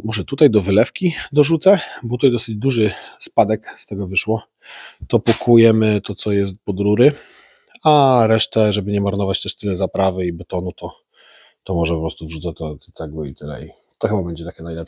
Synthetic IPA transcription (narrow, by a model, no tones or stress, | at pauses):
mɔʐɛt̪ut̪ajd̪ɔvɘlɛfkʲid̪ɔʐut̪sɛbɔt̪ut̪ajd̪ɔsɘd͡ʑd̪uʐɘspad̪ɛkst̪ɛɡɔvɘʂwɔ | t̪ɔpukʰujɛmɘt̪ɔt̪sɔjɛs̬t̪̚pɔd̪ɾuɾɘ | aɾɛʂt̪ɛʐɛbɘɲɛmaɾnɔvat͡ɕt̪ɛʂt̪ɘlɛzapɾavɘibɔt̪ɔnut̪ɔ | t̪ɔmɔʐɛpɔpɾɔst̪uvʐut̪sɛt̪ɔt̪ɔt̪sɛɡwɘit̪ɘlɛ̰j | t̪ɔxɘbabɛɲd͡ʑɛt̪akʲɛnajlɛp